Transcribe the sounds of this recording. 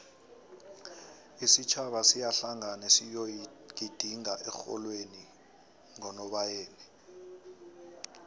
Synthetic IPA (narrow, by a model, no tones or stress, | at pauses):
isit͡ʃʰaɓasijaɬaŋanɛsijokid̥ʱiŋaʔɛxɔ̰lweni | ŋɔnɔɓajeːni